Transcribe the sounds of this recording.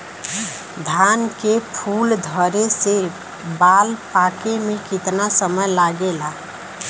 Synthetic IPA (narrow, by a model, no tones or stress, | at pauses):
d̪ʱankepʰuld̪ʱəɾese | baːlpakemẽkɪt̪nasəməjlaɡela